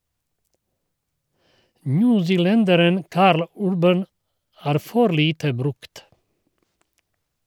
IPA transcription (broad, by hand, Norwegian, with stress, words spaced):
ˈnʉːsɪˌlɛndəɾən ˈkɑːɾl ˈʉɾbən ˈæːɾ ˈfɔɾ ˈliːtə ˈbɾʉkt